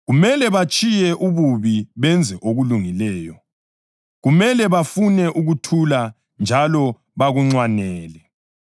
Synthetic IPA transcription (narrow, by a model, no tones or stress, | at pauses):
ɣumɛlɛβat͡ʃʼijɛʔuβuβiβɛnd͡zʱɛʔoɣuluŋilɛːjɔ | ɣumɛlɛβafunɛʔuɣutʰula | nd͡ʒʱalɔ | βaɣuŋ͡ǀwanɛːlɛ